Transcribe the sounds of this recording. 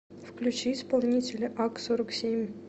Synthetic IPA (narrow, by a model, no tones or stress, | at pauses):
fklʲʉt͡ɕiispɐlˠnʲitʲɪlʲʔɑksoɾəksʲemʲ